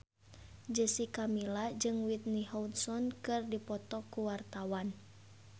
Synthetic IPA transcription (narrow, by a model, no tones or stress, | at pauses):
d͡ʒəsikamilad͡ʒɨŋwit̪̚nihɔut̪sɔnkɨrdipɔt̪ɔkuwart̪awan